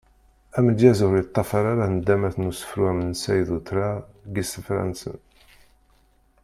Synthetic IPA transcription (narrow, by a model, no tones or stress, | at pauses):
æməd̪jæzʊɾit̪ˤːɑfaɾaɾand̪ːæmæθnusə̥fɾwæmənsæjðut̪ʰɾaɡisəfɾæ̰nsə̰n